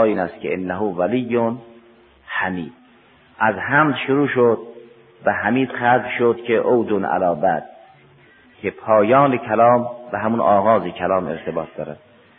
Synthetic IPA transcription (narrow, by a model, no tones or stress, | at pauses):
iːnæst̪kʰeenːæɦʊvælijːon | hæmiːd̪̥̚ | ʔæzhæmd̪ʃʊɾuːʃod̪̚ | væɦæmiːd̪̥xæzlʃod̪kʰeʔowd̪onæ̰lɒːbæ̰d̪̥̚ | kʰepʰɒːjɒːnekʰælɑːmvæɦæmunʔɒːɣɒːzekʰælɒːmḛɾt̪ʰebɒːt̪̚d̪ɒ̰ːɾæd̪̥